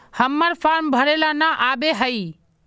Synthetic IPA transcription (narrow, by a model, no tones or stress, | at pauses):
həmːəɾpʰaɾmbʱəɾelanaʔabeɦəi